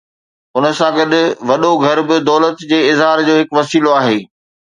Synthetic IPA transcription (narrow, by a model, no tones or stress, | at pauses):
ʊnə̆sãɡɐɗ̪ʊʋɐɗoɡʱɐɾbɪd̪ɔːlət̪d͡ʑeːɪzɦaːɾd͡ʑoːɦɪkʋɐsiːloaːɦeː